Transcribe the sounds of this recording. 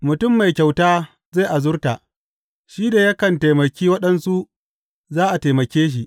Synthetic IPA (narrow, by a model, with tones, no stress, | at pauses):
mʊ˨tʊ˦˨mːa˨jkʲa˨wtaː˦ | za˦˨ʔa˨zʊ˦rta˨ʔ | ʃiː˦da˨jɐ˦kɐ˨nta˨jmɐ˨kʲiː˦wɐ˦ɗɐ˦nsu˦ʔ | zaː˦ʔa˨te˨mɐ˨kʲeː˦ʃ̬i˨ʔ